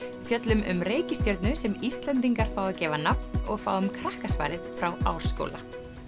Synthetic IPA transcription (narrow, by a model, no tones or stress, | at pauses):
fjœt̪lʏmʏ̰mreːjcɪst̪jœɾt̪nʏsɛmist̪lɛnt̪̬iŋkaɾ̥faːwðacɛːvanap̚nɔɣfa̰ːwʏmkʰɾahkasva̰ːjɾɪðfɾawa̰ːwɾ̥sko̰wla̰